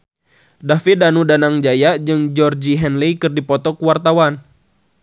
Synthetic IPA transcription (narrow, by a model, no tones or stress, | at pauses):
dafidanudanaŋd͡ʒajad͡ʒɨŋd͡ʒɔrd͡ʒiɦɛnlikɨrdipɔt̪ɔkuwart̪awan